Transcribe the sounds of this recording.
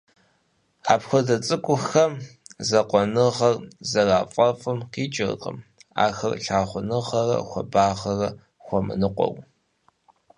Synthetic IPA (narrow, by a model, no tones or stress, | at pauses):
aːpxʷɔdɐt͡sʼɨkʷʼʊxɐmzɐqʷɔnɨʁɐrzɐraːfʼɐfʼɨmqiːt͡ʃʼɪrqʼə̰ma̰ːxɐrɬaːχʷʊnɨʁɐrɐ̰xʷɔ̰baːʁɐrɐ | xʷɔmɨ̰nɨqʷʼɔ̰w